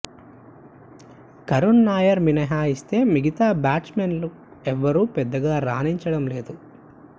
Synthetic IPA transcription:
kɐɾunːaːjɐɾminɐɦaːist̪e̞ːmiɡit̪aːbaːʈsmenlu | ɛʋːɐɾuːpɛd̪ːɐɡaːɾaːniɲt͡ʃɐɽɐmle̞ːd̪u

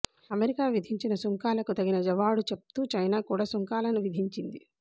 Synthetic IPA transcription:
ɐmeɾikaːʋid̪ʱiɲt͡ʃinɐsuŋkaːlɐkut̪ɐɡinɐd͡ʒɐʋaːɽut͡ʃep̚t̪uːt͡ʃɐjnaːkuːɽaːsuŋkaːlɐnuʋid̪ʱiɲt͡ʃind̪i

